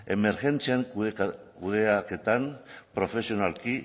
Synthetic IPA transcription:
e̞me̞ɾxe̞nt͡siaŋkuðeake̞t̪anpɾo̞fe̞sio̞nalki

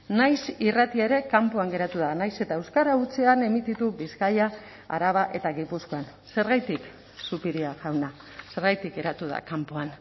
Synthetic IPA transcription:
najsirat̪ieɾe̞kampoaŋɡe̞ɾat̪uðanajse̞t̪aewskaɾaut͡seane̞mit̪it̪uβiskaja | a̰ɾaβaʔe̞t̪aɣipusko̞an | se̞ɾɣajt̪ik | supiɾiaɣawna | se̞ɾɣajt̪ik̚ɡe̞ɾat̪uð̞a̰kampoan

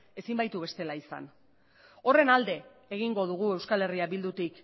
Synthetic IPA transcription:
e̞simbajt̪uβe̞st̪e̞laisa̰n | o̞re̞nald̪e̞ː | ɣ̞iŋɡo̞ð̞uɣue̞wskale̞riaβild̪ut̪ik

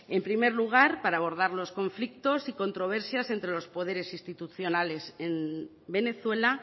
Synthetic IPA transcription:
e̞mpɾime̞ɾluɣ̞aɾpaɾaːβ̞o̞ɾð̞aɾlo̞sko̞ɱflik̚t̪o̞siko̞nt̪ɾo̞β̞e̞ɾsjase̞nt̪ɾe̞lo̞spo̞ð̞e̞ɾe̞sist̪it̪uθjo̞nale̞se̞m | be̞ne̞θwe̞la

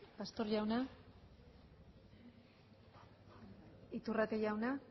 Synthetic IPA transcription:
past̪o̞ɾʝawna | it̪urat̪eʝawna

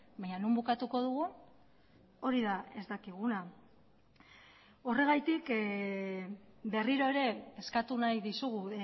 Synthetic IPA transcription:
baɲanumbukat̪uko̞ð̞uɣun | o̞ɾiðae̞zd̪akiɣ̞una | o̞re̞ɣ̞ajt̪ik | be̞riɾo̞e̞ɾe̞ːskat̪unajðisuɣu

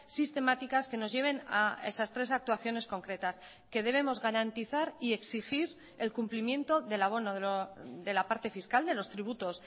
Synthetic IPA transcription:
sist̪e̞mat̪ikaske̞no̞zʝe̞β̞e̞naesast̪ɾe̞sak̚t̪uaθjo̞ne̞sko̞ŋkɾe̞t̪as | ke̞ðe̞β̞e̞mo̞zɣaɾant̪iθaɾie̞ksixiɾ | e̞lkumplimjẽ̞nt̪o̞ðe̞laβ̞o̞noðeoðe̞lapaɾt̪e̞fiskald̪e̞lo̞st̪ɾiβ̞ut̪o̞s

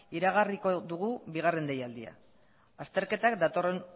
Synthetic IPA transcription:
iɾaɣ̞ariko̞ðuɣ̞uβiɣare̞nd̪ejald̪ia̰ | ast̪e̞ɾke̞t̪akd̪at̪o̞re̞n

